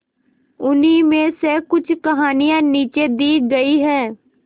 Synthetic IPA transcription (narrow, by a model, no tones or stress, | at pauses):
ʊnimẽsekʊt͡ʃʰkɐɦaːnijãniːt͡ʃed̪iːɡɐiɦɛː